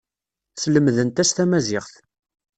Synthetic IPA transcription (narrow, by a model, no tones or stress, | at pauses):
sləmðənt̪æst̪æmæzɪʁθ